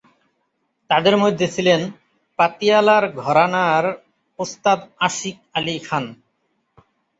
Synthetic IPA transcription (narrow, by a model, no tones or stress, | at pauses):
t̪ad̪eɾmojd̪ʱːet͡ɕʰilen | pat̪ialaɾɡʱɔɾanaɾ | ost̪ad̪aʃik̚alikʰan